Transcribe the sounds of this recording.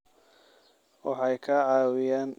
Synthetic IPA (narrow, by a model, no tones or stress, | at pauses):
wɑ̰ħɑjkʰɐʕɑːwɪjaːn